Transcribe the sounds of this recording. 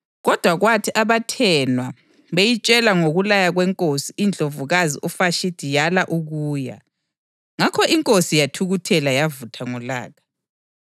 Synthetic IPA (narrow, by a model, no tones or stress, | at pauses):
ɣɔd̥ʱwaɣwatʰiʔaβatʰɛnwa | βejit͡ʃʼɛlaŋoɣulajaɣwɛŋkʼosiʔind͡ɮʱovuɣaziʔɔfaʃid̥ʱijalaʔuɣuːja̰ | ŋakʰɔʔiŋkʼosijatʰuɣutʰɛlajavutʰaŋɔla̰ːɣḁ